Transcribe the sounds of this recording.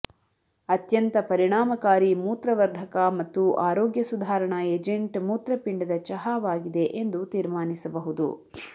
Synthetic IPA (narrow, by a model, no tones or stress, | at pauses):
ɐt̪jɐnt̪ɐpɐɾiɳaːmɐkaːɾimuːt̪ɾɐʋɐɾd̪ʱɐkɐmɐt̪ːuʔaːɾoːɡjɐsud̪ʱaːɾɐɳɐeːd͡ʒeɳʈmuːt̪ɾɐpiɳɖɐd̪ɐt͡ʃɐɦaːʋaːɡid̪e̞ʔend̪ut̪iːɾmaːnisɐbɐɦud̪ṵ